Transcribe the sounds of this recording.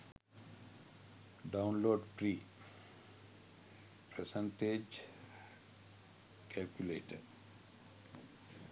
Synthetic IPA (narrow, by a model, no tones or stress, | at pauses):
ɖãʊ̃nloːɖpɾiː | pɾesə̃ɳʈed͡ʒ | kʰɛlkjuleːʈə̰ɾ